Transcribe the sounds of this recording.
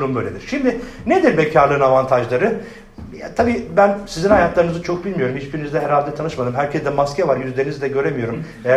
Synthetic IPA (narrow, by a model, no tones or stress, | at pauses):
ɾumbøjlʲed̪iɾ̥ʃimd̪ɪned̪iɾbɛcʰaɾlˠɯːnavant̪ʰaʒlˠaɾɯ | jat̪ʰabiːbænsizinhajat̪lˠaɾɯnɯzat͡ʃʰo̞k̚bilʲmijo̞ɾumhit͡ʃbiɾinizd̪ɛɦɛɾhalʲd̪ɛt̪ʰanɯʃmad̪ɯmɦæɾcʰɛzd̪ɛmascʰɛvaɾjyzlʲe̞ɾinizd̪ʲɛɟø̞ɾemijo̞ɾum | eæ